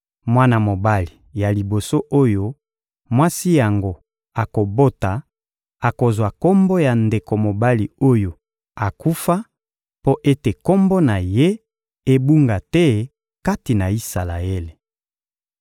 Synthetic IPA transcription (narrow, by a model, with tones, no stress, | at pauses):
mwa˦na˨mo˨ba˦li˨ja˨li˨bo˨so˦ʔo˦jo˦ | mwa˦si˦ja˨ŋɡo˦ | a˨ko˨bo˦ta˨ | a˨ko˨zwa˨ko˦mbo˦ja˨nde˨ko˨mo˨ba˦li˨o˦jo˨ | a˨ku˦fa˦ | po˦ʔe˦te˨ko˦mbo˦na˨je˦ | e˦bu˦ŋɡa˨tɛ˦ | ka˦ti˨na˨i˦sa˨la̰˨e˦le˨